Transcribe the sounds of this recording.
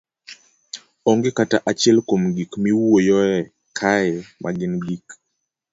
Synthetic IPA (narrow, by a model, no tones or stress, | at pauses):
ɔŋɡekataʔat͡ʃɛlkomɡikmiwuojɔɛ | kʰajɛmʔa̰ɡɪnɡik